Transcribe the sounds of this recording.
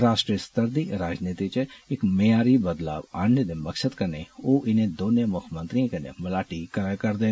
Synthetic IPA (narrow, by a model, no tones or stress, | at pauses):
ɾaːsʈɾiəst̪əɾd̪iɾaːd͡ʒnit̪it͡ʃʰeːkmejaɾibəd̪la̰ʋaɳːəd̪embəkʃəd̪kəɾneoʔɪnẽd̪onjəmʊkʰmə̃nt̪ɾiə̃kənḛmɐlaʈikəkəɾd̪e